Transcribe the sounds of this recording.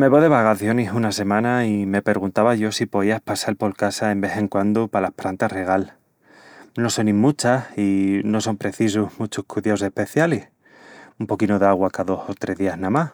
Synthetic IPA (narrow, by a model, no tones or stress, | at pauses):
me̞βoðe̞β̞akaθjo̞nisunase̞mãnaime̞pe̞ɾɣ̞unt̪aβaʝo̞sipo̞ðiahpasalpo̞lkasaembe̞θe̞ŋkwand̪upalahpɾant̪are̞ɣal | no̞so̞nimut͡ʃasino̞so̞mpɾe̞θis̬uhmut͡ʃuhkuðjawse̞hpe̞θjalih | umpo̞kinoðeaɣwakaðo̞sot̪ɾe̞ɦðiaɦnamah